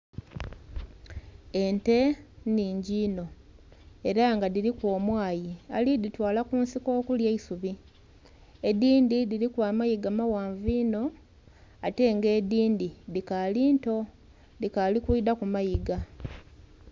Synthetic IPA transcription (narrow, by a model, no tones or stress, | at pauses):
e̞nte̞niːɲɟiːno̞ | e̞ɾaŋɡadiɾikwo̞ːmwaːjia̰liditwaːlakuːnsiko̞ːkuljeisuβi | ediːndidiɾikwaːmajiɡamawaːɱviːno̞ | ate̞ŋɡe̞ːdiːndidikaliːnto̞ | dikalikuidakumajiɡa